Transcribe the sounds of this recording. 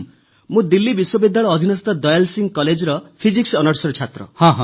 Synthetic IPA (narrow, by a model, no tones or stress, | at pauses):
mũd̪ilːibiswɔbid̪ːaɭɔːd̪ʱinɔst̪ɔd̪ɔjalsiŋɡkɔled͡ʒɔɾɔpʰiziksɔnɔɾsɔɾɔt͡ʃʰat̪ɾɔ̰hɔ̃ɦɔ̃